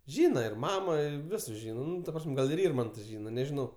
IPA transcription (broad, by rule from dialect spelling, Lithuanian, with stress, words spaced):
ˈʒʲiːnɐ ɪr ˈmɑːmoː ɪ ˈʋʲɪsʊs ˈʒʲiːnɐ ˈnʊ tɐ ˈprɐsʲmʲ ˈɡɐlˠ ɪr ˈɪrmɐntoː ˈʒʲiːnɐ nʲɛʒʲɪˈnɐʊ